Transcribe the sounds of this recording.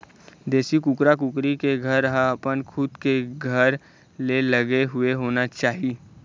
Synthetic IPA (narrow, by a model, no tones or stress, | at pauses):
d̪eːsikʊkɾakʊkɾikeɡʱɐɾːəɦaəpənkʰʊd̪keɡʱɐɾ | lelɐɡeɦʊeɦoːnat͡ʃaːɦi